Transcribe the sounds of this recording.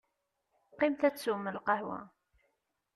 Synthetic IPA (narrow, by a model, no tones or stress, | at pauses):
qːɪmθæt͡sːumːəlqɑhwæ̰